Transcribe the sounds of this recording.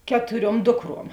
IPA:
ˈkʲæːtʊˌrʲuɔm ˈdʊkˌruɔm

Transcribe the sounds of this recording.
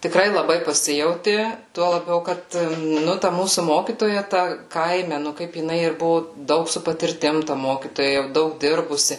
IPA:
tʲɪˈkrɐɪ lˠɐˈbɐɪ pɐˈsʲɪjɛʊtʲɪ ˈtuɔ lˠɐˈbʲɛʊ ˈkɐt ˈnʊ tɐ ˈmuːsʊ ˈmoːkʲiːtoːjɛ tɐ ˈkɐɪmʲɛ nʊ ˈkɐɪp jɪˈnɐɪ ɪr ˈbʊʋoː ˈdɐʊk sʊ pɐtʲɪrʲˈtʲɪm tɐ ˈmoːkʲiːtoːjɛ jɛʊ ˈdɐʊk ˈdʲɪrbʊsʲɪ

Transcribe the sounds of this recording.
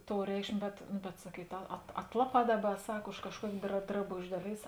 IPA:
ˈtoːʊ ˈrʲɛɪkʃʲmʲeː bʲɛt ˈnʊ bʲɛt sɐˈkʲiːt ɐ ɐt ˈɑːtlˠɐˌpɑː ˈdɑːˌbɐ ˈsɐk ʊʃ kɐʃˈkuɔkʲeː drɐ drɐˈboːʒʲeː ˈdɑːˌlʲeːɪs

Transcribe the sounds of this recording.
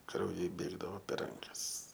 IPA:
krɐʊˈjɛɪ ˈbʲeːɡdɐʋoː pʲɛr ˈrɐŋkɐs

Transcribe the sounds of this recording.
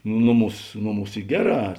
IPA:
ˈnoːˌmuːs ˈnoːˌmuːs ˈiː ˈɡʲæːˌrɑː

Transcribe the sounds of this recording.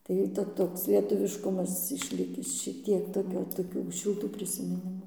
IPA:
ˈtɐɪ tɐ ˈtoːks lʲiɛtʊˈʋʲɪʃkʊmɐs ɪʃʲˈlʲɪkʲɪs ʃʲɪˈtʲiɛk toːˈkʲoː toːˈkʲuː ʃʲɪlˠˈtuː pʲrʲɪsʲɪmʲɪˈnʲɪmuː

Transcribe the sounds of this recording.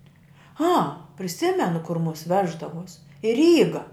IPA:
ɐ pʲrʲɪˈsʲɪmʲɛnʊ kʊr mʊs ˈʋʲæːʒdɐʋuɔs ɪ ˈrʲiːɡɐ

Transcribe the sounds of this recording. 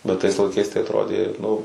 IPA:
bʲɛt tɐɪs lˠɐɪˈkɐɪs tɐɪ ɐtˈroːdʲeː ˈnʊ

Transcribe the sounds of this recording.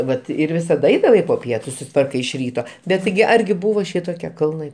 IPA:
ˈʋɐt ɪr ˈʋʲɪsɐt ˈɐɪdɐʋɐɪ poː ˈpʲiɛtʊ sʊsʲɪˈtʋɐrkɐɪ ɪʃ ˈrʲiːtoː bʲɛt ˈtʲɪɡʲɪ ˈɐrʲɡʲɪ ˈbuːʋoː ˈʃʲɪtoːkʲiɛ kɐlˠˈnɐɪ

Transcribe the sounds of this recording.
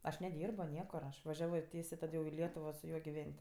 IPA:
ˈɐʃ nʲɛˈdʲiːrboː ˈnʲiɛkʊr ˈɐʃ ʋɐˈʒʲæːʋoː ˈtʲiɛsʲeː ˈtɐt jɛʊ ɪ ˈlʲiɛtʊʋoː sʊ ˈjuɔ ɡʲɪˈʋʲɛnʲtʲ

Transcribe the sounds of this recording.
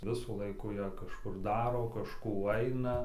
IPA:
ˈʋʲɪsuː ˈlˠɐɪkuː jɛ kɐʃˈkʊr ˈdɑːroː kɐʃˈkuː ˈɐɪnɐ

